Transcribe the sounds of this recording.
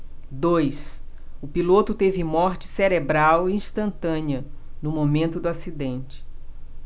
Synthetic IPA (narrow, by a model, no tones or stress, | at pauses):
d̪ojs | ʊpilot̪ʊt̪evɪmɔɾt͡ʃɪ̥seɾebɾawiĩst̪ɐ̃nt̪ɐ̃niɐnʊmomẽnt̪ʊd̪ʊasid̪ẽnt͡ʃɪ̥